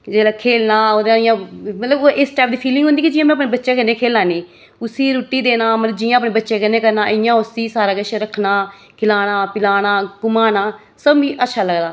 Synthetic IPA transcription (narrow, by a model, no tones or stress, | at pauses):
d͡ʒeːlaːkʰeːlnaːoːd̪ãːɪjãːmət̪ləboːʔɪsʈaːp̚d̪iːpʰiːlɪŋɡõnd̪iːkid͡ʒɪːãːmɛ̃ːəpneːbətːʃeːkənːeːkʰeːlaːniː | ʊsiːɾuːʈːiːd̪eːnaːmət̪ləbd͡ʒɪːjãːəpneːbətːʃeːkənːẽːkəɾnaːʔəjãːʊsiːsaːɾaːkəʃɾəkʰnaː | kʰɪlaːnaːpɪlaːnaːɡʊmaːnaː | səbʋiːʔətːʃʰaːləɡd̪aː